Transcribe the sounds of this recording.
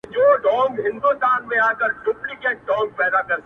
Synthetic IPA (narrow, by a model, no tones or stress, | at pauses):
d͡ʒoːɖɔ̃ːŋɡɦɪ̃nd̪ust̪aːnmẽaːkəɾɖʊplikɛɖɔ̃ːŋɡ̚pɛːd̪akɐɾ